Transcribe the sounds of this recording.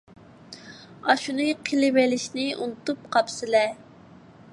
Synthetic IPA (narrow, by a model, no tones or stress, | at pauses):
ɑʃunɨqʰəlɪvɛlɪʃnɪṵnt̪up̚qʰɑpsɪlɛ